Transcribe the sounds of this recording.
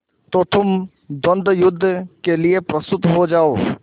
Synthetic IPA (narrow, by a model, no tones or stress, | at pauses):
t̪ot̪ʊm | d̪ɔ̃nd̪ʱjʊd̪ʱːkeliepɾɐst̪ʊt̪ɦod͡ʒaːoː